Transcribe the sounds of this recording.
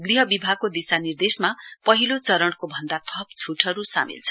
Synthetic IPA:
ɡriɦʌbibʱaɡ̚kod̪isanird̪esmapʌɦilot͡sʌɾʌɽ̃kobʱʌnd̪at̪ʰʌp̚t͡sʰuʈʰʌɾusa̰mḭlt͡sʰʌ

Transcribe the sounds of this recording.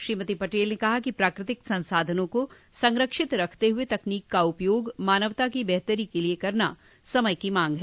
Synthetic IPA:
ʃɾiːmət̪ipɐʈeːlnekɐɦakipɾaːkɾɪt̪ɪksɐ̃nsaːd̪ʱənõko | sɐ̃ŋɾəkʃɪt̪ɾɐkʰt̪eɦʊet̪ɐkniːkːaʊpjoːɡmaːnəʋt̪akibɛɦt̪əɾikeliekɐɾna̰ | sɐməjkimãːŋɡɦɛː

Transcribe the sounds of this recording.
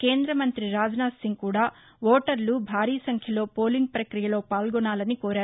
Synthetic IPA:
ke̞ːnd̪ɾɐmɐnt̪ɾiɾaːd͡ʒɐnaːsiŋɡkuːɽaː | ʋoːʈɐɾlubʱaːɾiːɐsɐŋkʰjɐlo̞ːpo̞ːliŋɡ̚pɾɐkɾijɐlo̞ːpaːlɡɔnːaːlɐnikoːɾaːɾu

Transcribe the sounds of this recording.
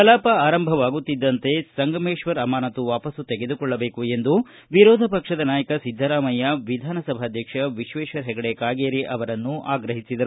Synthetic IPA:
ɐlaːpɐaːɾɐmbʱɐʋaːɡut̪ːid̪ːɐnt̪e̞sɐŋɡɐmeːʂʋɐɾɐmaːnɐt̪uʋaːpɐsut̪eɡe̞d̪ukɔɭːɐbe̞ːkue̞nd̪u | ʋiɾɔːd̪ʱɐpɐkʂɐd̪ɐnaːjɐkɐsid̪ʱːɐɾaːmɐjɐʋid̪ʱaːnɐsɐbʱaɐd̪ʱjɐkʂɐʋiʃʋeːʃɐɾɦɛɡɐɽekaːɡeːɾiʔɐʋɐɾɐnːuʔaːɡɾɐɦisid̪ɐɾu

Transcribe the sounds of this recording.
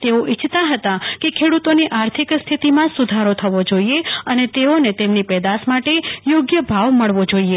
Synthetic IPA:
t̪eoʔit͡ʃʰt̪aɦət̪akekʰeɽut̪oniʔaɾt̪ʰikst̪ʰit̪imãsud̪ʱaɾot̪ʰəʋod͡ʒoieənet̪eonet̪emnipɛd̪asmaʈejoɡjəbʱaʋməɭʋod͡ʒoie

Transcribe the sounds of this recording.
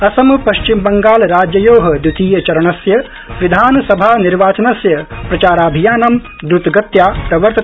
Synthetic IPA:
ɐsɐmɐpɐʃt͡ʃimbɐŋɡaːlɾaːd͡ʒjɐjoːɦɐ̆d̪jut̪ʰiːjɐt͡ʃɐɾɐɳɐsjɐ | ʋid̪ʱaːnɐsɐbʱaːniɾʋaːt͡ʃɐnɐsjɐpɾɐt͡ʃaːɾaːbʱijaːnɐm | d̪ɾut̪ɡɐt̪jaːpɾɐʋɐɾt̪ɐ

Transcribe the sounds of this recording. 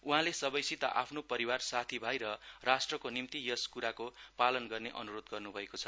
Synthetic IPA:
uɦãlesʌbʌjsit̪a̰ʔa̰pʰnopʌɾiwarsat̪ʰibʱajɾʌrasʈrʌkonimt̪ijʌskuɾakopalʌnɡʌrneʔʌ̰nuɾod̪ɡʌrnubʱʌekot͡sʰʌ

